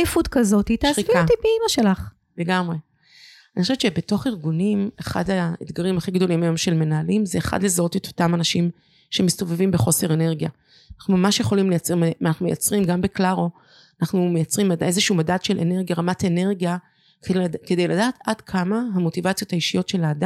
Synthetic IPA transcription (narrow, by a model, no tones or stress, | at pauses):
futkazo̞tit̪aiviat̪ipeimaʃelaχ | le̞ɡamʁe | aniχoʃevtt͡ʃebe̞to̞χiʁɡunimeχa̰daed̪ɡaʁimaχiɡd̪o̞limajo̞mʃe̞lme̞naːlimzeːχa̰dlezao̞tet̪o̞̥tamanaʃim | ʃe̞misto̞vevimbeχo̞se̞ʁene̞ʁɡja | naχnumamaʃjeχo̞limlejat͡smeanaχnumejat͡sʁimɡambeklaʁo̞ | anaχnumejat͡sʁimade̞zeʃuumadat̪ʃe̞lʔḛne̞ʁɡjaʁamatene̞ʁɡija | kkede̞jladaːtʰadkʰamaɦamo̞tivat͡sijo̞t̪haiʃijotʃe̞laːda